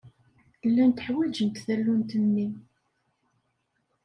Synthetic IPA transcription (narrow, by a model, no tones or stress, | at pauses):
lːænt̪əħwæd͡ʒənt̪ðælːunt̪ənːim